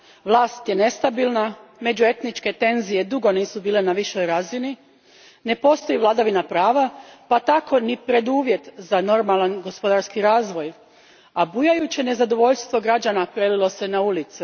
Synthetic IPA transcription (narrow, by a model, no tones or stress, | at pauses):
ʋlˠaːst̪jene̞st̪abilˠname̞d͡ʑue̞t̪nit͡ʃke̞t̪e̞nzije̞d̪uɡo̞niːsubiːle̞naʋiʃo̞jɾaːzini | ne̞po̞st̪o̞jiʋlˠad̪aʋinapɾaːʋapat̪ako̞nipɾe̞d̪uːʋje̞t̪zano̞ɾmalˠanɡo̞spo̞d̪aɾskiɾaːzʋo̞j | abujajut͡ɕene̞zad̪o̞ʋo̞ʎst̪ʋo̞ɡɾad͡ʑanapɾelilo̞se̞naulit̪si